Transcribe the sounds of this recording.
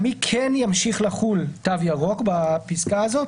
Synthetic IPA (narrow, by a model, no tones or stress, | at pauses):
mikʰenjamʃiχlaχult̪avjaʁo̞kbapiskaːzo̞t̪